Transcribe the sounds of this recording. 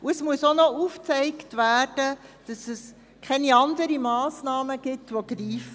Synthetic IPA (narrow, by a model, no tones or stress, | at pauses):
uɛsmuəsonɔuːft͡sɛɪktʋæːrd̥əd̥ɑsɛs | kʰɛniɑndəɾimɑːsnɑːməɡ̥ɪtʋoɡ̥ɾiːf